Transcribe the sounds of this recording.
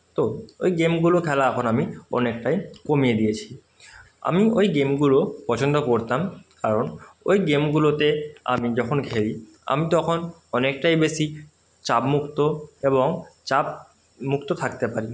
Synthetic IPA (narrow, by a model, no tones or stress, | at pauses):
t̪oo̰jɡemɡulokʰɛlaɛkʰonamiɔ̰nek̚ʈajkomied̪ijet͡ɕʰi̥ | a̰miojɡemɡulopɔt͡ɕond̪okoɾt̪amkaɾono̰jɡemɡulot̪ea̰mid͡ʑɔkʰonkʰeɾi | a̰mit̪ɔkʰonɔnek̚ʈajbesi | t͡ɕabmukt̪oeboŋt͡ɕab | mukt̪ot̪ʰakt̪epaɾi